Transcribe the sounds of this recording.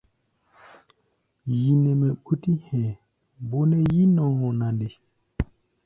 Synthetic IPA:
ji˨nɛ˨mɛ˨ku˦ti˦hɛ̃˨ | bo˦nɛ˦ji˦nɔ̃˨˦hɔ̃˨na˨nde˨

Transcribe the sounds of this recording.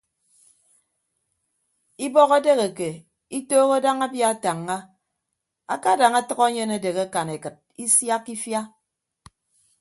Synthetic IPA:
i˦bɔ˦ɣe˦de˦ɣe˨ke˨ | i˦toː˦ɣo˦da˦ŋa˦bja˦a˦˨ta˨ŋːa˦ | a̰˦ka˦da˨ŋa˦tʌ˦ɣa˦ɲe˦ne˦de˨ɣe˦ka˨ne˨kɨ˨t̚i˦sja˦kːi˦fja˦

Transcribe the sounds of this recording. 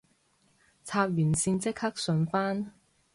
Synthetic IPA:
t͡sʰaː˧p̚jyː˨˩nsiː˧nt͡sɪ˥k̚hɐ˥k̚sɵ˨˧nfaː˥n

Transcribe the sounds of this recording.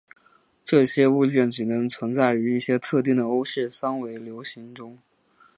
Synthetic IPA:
ʈ͡ʂɤ˥˩ɕjɛ˥u˥˧t͡ɕjɛ˥˩nt͡ɕɻi˨˩nɤ˧˥ŋt͡sʰwə˧˥nt͡sa˥˩ɪy˧˥i˥˩ɕjɛ˥t̪ʰɤ˥˧t̪̬i˥˩ŋd̪ə˩o˥ʊɕɥɛ˥˩sa˥ŋwe˧˥ɪljo˧˥ʊɕi˧˥ŋʈ͡ʂʊ˥ŋ

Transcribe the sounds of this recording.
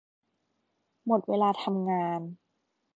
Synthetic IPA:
mo˨˩t̪̚weː˧laː˧t̪ʰa˧mŋaː˧n

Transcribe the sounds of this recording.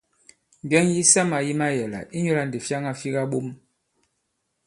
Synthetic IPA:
m˨bjɛ˦ŋji˦sa˦ma˨ji˦ma˦jɛ˨la̰˨ʔi˦ɲo˦la˦˨n˨de˨fja˦ŋa˦fi˦ɣa˦ɓo˦m

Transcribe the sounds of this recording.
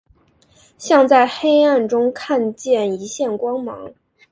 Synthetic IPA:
ɕjɑ˥˧ŋt͡sa˥˩ɪxe˥ɪa˥˩nʈ͡ʂʊ˥ŋkʰa˥˧nt͡ɕjɛ˥˩ni˧˥ɕjɛ˥˩nkwɑ˥ŋmɑ̰˧˥ŋ

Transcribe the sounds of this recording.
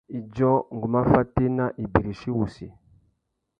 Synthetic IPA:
i˨d͡ʒɔ˦ŋ˨ɡu˨ma˦fa˦te˦na˦ʔi˨bi˨ɾi˨ʃi˦wu˨sḭ˨

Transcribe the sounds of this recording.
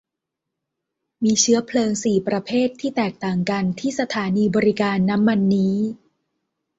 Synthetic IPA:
miː˧t͡ɕʰɯ˦˥ɐpʰlɤː˧ŋsiː˨˩pɾa˧pʰeː˥˩t̪ʰːiː˥˩t̪ɛː˨˩k̚t̪aː˨˩ŋka˧nt̪ʰiː˥˩sa˧t̪ʰaː˩˦niː˧bɔː˧ɾi˦kaː˧nːa˦˥mːa˧nːiː˦˥

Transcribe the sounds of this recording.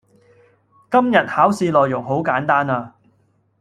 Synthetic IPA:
kɐ˥mjɐ˨t̚haː˨˥wsiː˧lɔː˨˩jʊ˨˩ŋɦo˨˥wkaː˨˥nt̪aː˥naː˧

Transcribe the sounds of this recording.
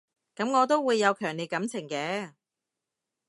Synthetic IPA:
kɐ˨˥mŋɔː˨˧t̪o˥wuː˨˧jːɐ˨˧wkʰœː˨˩ŋle˨jkɐ˨˥mt͡sʰɪ˨˩ŋkɛː˨˥

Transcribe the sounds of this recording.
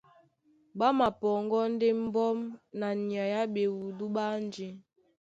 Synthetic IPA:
ba˦ma˨pɔ˨ŋɡɔ˦n̩˦de˦m˦bɔ˦mna˨ni˨a˨ja˦be˨wu˨du˦ɓa˦n˦d͡ʒi˦

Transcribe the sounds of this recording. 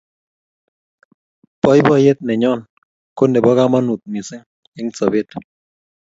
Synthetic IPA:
pɔ˦jbɔ˦je˦t̪̚nɛ˨ɲɔ˦˨n | ko˦ndɛ˨bɔ˦ka˦ma˦nu˨t̪̚mi˨sɪ˦ŋ | ɪ˦ŋ̩˦t͡sɔ˨be˦t

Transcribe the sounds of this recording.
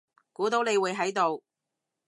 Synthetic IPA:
kuː˨˥t̪o˨˥wne˨˧jwːjɦɐ˨˥jt̪o˨w

